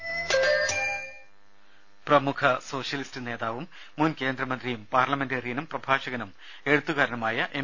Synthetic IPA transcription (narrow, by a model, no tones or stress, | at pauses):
prɐmukʰɐso̞ːɕjɐlistɨne̞ːðaːʋumː | unke̞ːnd̪rɐmɐnd̪rijumpaːrlɐmenderijɐnumprɐbʱaːɕɐɣɐnum | e̞ɻut̪ːuɣaːɾɐnɐmaːjɐʔe